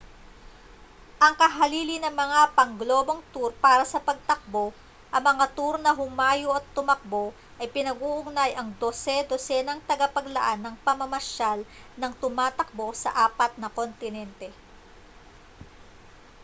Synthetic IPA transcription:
ʔɐŋkɐɦɐliːlɪnɐŋmɐŋapɐŋɡlo̞ːbo̞ŋt̪uɾpaːɾɐsɐpɐɡ̚t̪ɐk̚bo̞ | ʔɐŋmɐŋat̪uɾnɐɦʊmaːjoʔɐt̪ːʊmɐk̚bo̞ | ʔɐjpɪnɐɡuːʔʊɡnajʔɐŋd̪osɛd̪osɛnɐŋt̪ɐɡɐpɐɡlɐʔanːɐŋpɐmɐmɐʃalnɐŋt̪ʊmaːt̪ɐk̚bo̞sɐ̰ʔaːpɐt̪̚nɐko̞nt̪ɪnɛnt̪ɛ

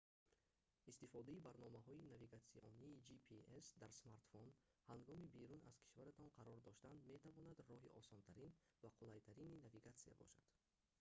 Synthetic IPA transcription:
ist̪ifɔd̪aibaɾnɔmaɦɔinaviɡat̪siʔɔ̰niːd͡ʒipʰiesd̪aɾsmaɾt̪fɔnhaŋɡɔmibeɾuna̰z̥kʰi̥ʃvaɾat̪ʰɔnqʰaɾɔɾd̪ɔʃt̪and̪me̞t̪ʰavɔnad̪rɔɦiʔɔsɔnt̪ʰaɾinvaqʰulajt̪ʰaɾininaviɡat̪sija̰bɔ̰ʃad̪̥

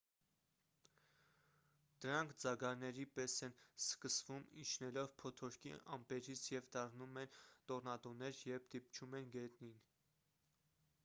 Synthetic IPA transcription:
d̪̥əɾɑŋkʰd͡zɑɡɑɾnɛɾipɛsɛnskəsvumit͡ʃʰnɛlɔvpʰɔt̪ʰɔɾkʰḭɑ̰mpɛɾit͡sʰjɛvd̪ɑrnumɛnt̪ɔrnɑt̪ɔnɛɾjɛvd̪ip̚t͡ʃʰumɛnɡɛt̪nin

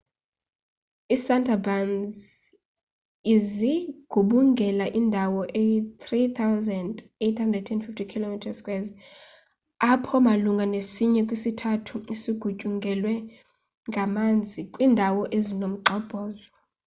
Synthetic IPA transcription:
isantʰʼabanz | iziɡ̥ʱuɓuŋɡʱɛlaʔindʱawɔʔejit̪ʰrit̪ʰawzɛndetʰhandrɛd̚tʰɛnfiftʰikʰilomitʰaskʼwɛz | apʰɔmaluŋɡʱanesiɲɛkʼwisitʰatʰuisiɡ̥ʱucʼuŋɡʱɛlwɛ | ŋɡʱamand͡zʱikʼwiːndʱawɔʔezinom̩ǃɔb̥ʱɔːzɔ

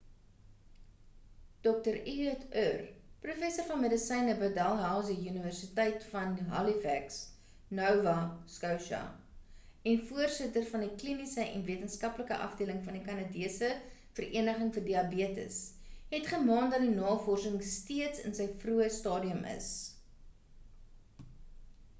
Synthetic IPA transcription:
d̥ɔk̚təɾiətʰœrprufɛsərfɐnmədəsɛjnəbədɐlˠɦælˠsiyniværsitɛjtfɐnɦɐ̰lifæks | nœwvɐskɐwʃɐ̰ | ɛnfuərsətərfɐndiklinisəʔɛ̰nviətənskɐpləkəʔɐ̰fdiələŋfɐndikɐnɑdiəsə | fəriənəχəŋfərdiɐbiətə̰sɦɛtχəmɑːndɐt̚dinɑːfɔrsəŋstiətsə̰nsəjfruəstɑːdiəmə̰s

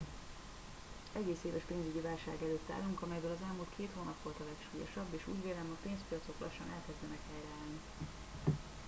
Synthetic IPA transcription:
ɛɡeːseːvɛʃpeːnzyɟivaːlʃa̰ːɡɛløːt̪ːa̰ːluŋkɒmɛjbøːlɒzɛlmult̪kʰeːt̪hoːnɒpʋo̞lt̪ɒlɛkʃuːjo̞̰ʃɒbːeːʃṵːɟveːlɛmɒpeːnspijɒt̪so̞klɒ̰ʃːɒnɛlkɛzd̪ɛnɛkhɛjrɛaːlni

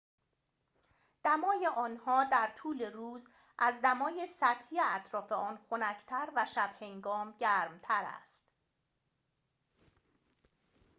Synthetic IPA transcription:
d̪̥æmɒːjeʔɒːnhɒːd̪æɾt̪ʰuːle̞ɾuːz | ʔæzd̪æmɒːjesæt̪ʰijeæt̪ʰɾɒːfe̞ɒːnxo̞næcʰt̪ʰæɾvæʃæb̥he̞ŋɡɒːmɟæɾmt̪ʰæɾæ̰st̪

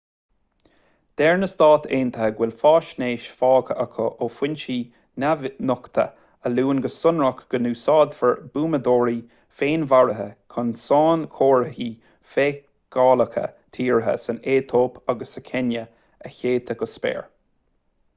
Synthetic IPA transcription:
d̪̥ɛɹnəst̪ɑːt̪ʰeːnt̪ʰəhəɡwɪlfɑːʃneːʃfɑːkʰəʔəkʰɔʔoːfwɪnʃiː | navnʊkt̪ʰə̰ | əluːnɡəsʊnɹəkɡ̥ənuːsɑːd̪fəɹb̥uːməd̪oːɾi | feːnvaɹəɦəkʰʊnsɑːnkʰoːɹəhiː | feː | ɡ̥ɑːləkʰə̰t̪ʰiːɹəɦə̰səneːt̪ʰoːpʰaɡəsəkʰɛnjə | əçeːt̪ʰəɡəspɛ̰ːɹ

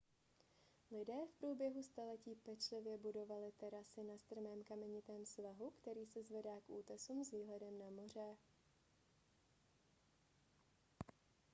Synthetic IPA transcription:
lɪdɛːfpɾuːbjɛɦust̪alɛciːpɛt͡ʃlɪvjɛbudo̞valɪt̪ɛɾasɪnast̪r̩mɛːmkamɛɲɪt̪ɛːmsvaɦukt̪ɛɾiːsɛzvɛdaːkʔuːt̪ɛsumzviːɦlɛdɛmnamor̝ɛ

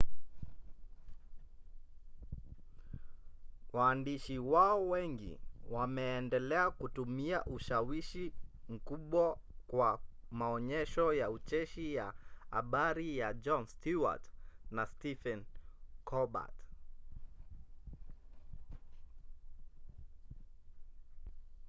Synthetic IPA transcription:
waːndiʃiwaɔwɛŋɡḭwamɛːndɛlɛakutumiaʔuʃawiʃim̩kuɓwakwamaɔɲɛʃɔjaut͡ʃɛʃijaa̰ɓaɾijad͡ʒɔnstuwa̰tnastifɛnkʰɔɓa̰t

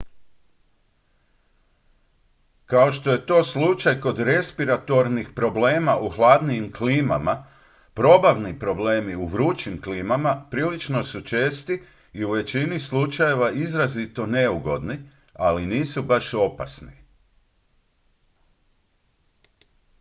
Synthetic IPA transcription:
kao̞ʃt̪o̞je̞t̪o̞ːslˠut͡ʃajko̞d̪ɾe̞spiɾat̪o̞ɾnixpɾo̞bleːmaʔuxlˠaːd̪niimkliːmama | pɾo̞baʋnipɾo̞bleːmiuʋɾut͡ʃimkliːmamapɾiːlit͡ʃno̞sut͡ʃe̞ːst̪i | iuʋe̞t͡ɕinislˠut͡ʃaje̞ʋaizɾazit̪o̞ne̞uɡo̞̰d̪ni | aliniːsubaʃo̞pasni

